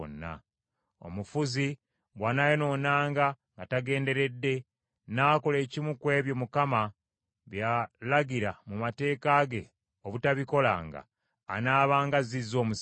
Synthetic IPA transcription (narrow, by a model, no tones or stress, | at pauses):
o̰nːa̰ | o̞̰mufuzi | βwanajeno̞ːnaːŋɡa | ŋɡataɡe̞ːnde̞ɾe̞dːe̞ | naːko̞le̞ːcimukwe̞ːβjo̞mukama | βjalaɡiɾamumate̞ːkaɡe̞ | oβutaβiko̞la̰ːŋɡa̰ː | naːβaːŋɡazizo̞ːmus